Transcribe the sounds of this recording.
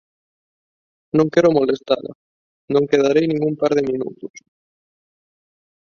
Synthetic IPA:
nõŋkɛɾʊmolest̪aðɐ̰ | nõŋkeðaɾejnĩŋɡumpaɾðemĩnṵt̪ʊs

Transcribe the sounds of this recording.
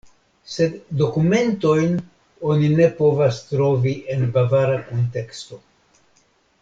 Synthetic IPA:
se̞ddo̞kume̞nto̞jn | o̞nine̞po̞vastɾo̞viʔe̞nbavaɾako̞nte̞ksto̞

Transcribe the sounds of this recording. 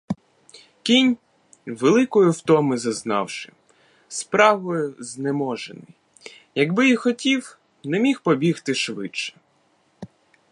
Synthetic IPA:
kʲinʲ | ʋelˠɪkɔjʊwt̪ɔmɪzɐznɑ̰wʃɪ̰ | spɾɑʋɔjʊznemɔʒḛnɪ̰j | jɐɡbɪjixɔtʲiw | nɛmʲixpɔbʲixt̪ɪʃʋɪ̰t͡ʃːɛ̥

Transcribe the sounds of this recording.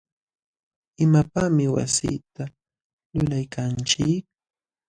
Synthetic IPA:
ɪmapamɪwa̰sḭːt̪a | lʊlajkʰant͡ʃɪk̚

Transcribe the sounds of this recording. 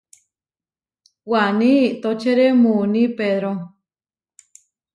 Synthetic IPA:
wanĩːt̪ot͡ʃeɾemunipeðɾo

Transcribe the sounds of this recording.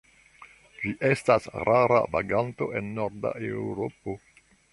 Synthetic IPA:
d͡ʒiʔe̞stasɾʔaɾa̰va̰ɡanto̞ʔe̞nːo̞ɾda̰ʔewwɾo̞po̞

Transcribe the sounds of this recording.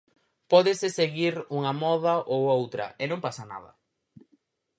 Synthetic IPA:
pɔðɪsɪseɣiɾuŋɐmɔðɐʔowowt̪ɾɐ̰ʔenõŋpasɐna̰ðɐ̰

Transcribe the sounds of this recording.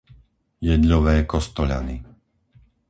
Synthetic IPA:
jɛd̪ʎɔʋɛːkɔst̪ɔʎa̰ni

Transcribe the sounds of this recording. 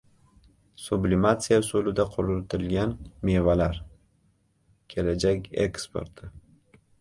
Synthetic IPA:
sʊblɪmat̪sijasolɪd̪aqʰʊɾʊlt̪ʰɪlɡʲanme̞valaɾ | kʲʰe̞lad͡ʒakʲḛkspo̞̰ɾt̪ʰɪ

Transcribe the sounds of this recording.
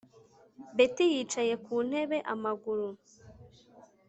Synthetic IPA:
be̞tijiːt͡ʃaje̞kuːn̥e̞βe̞ʔamaɡuɾu

